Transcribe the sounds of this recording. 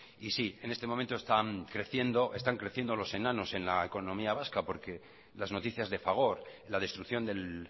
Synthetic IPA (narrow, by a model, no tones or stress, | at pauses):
isie̞nest̪e̞mo̞mẽnt̪ost̪aŋkɾe̞θje̞nd̪o̞ʔe̞st̪aŋkɾe̞θje̞nd̪o̞lo̞se̞nano̞se̞nlaeko̞nomiaβ̞askapo̞ɾke̞ | lazno̞t̪iθjazðe̞faɣ̞o̞ɾlaðe̞st̪ɾukθjo̞nd̪e̞l